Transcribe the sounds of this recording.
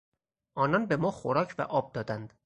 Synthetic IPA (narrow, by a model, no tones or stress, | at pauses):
ʔɒːnɒnbe̞mɒːxoɾɒːcʰvæ̰ʔɒːb̚d̪ɒːd̪ænd̪̥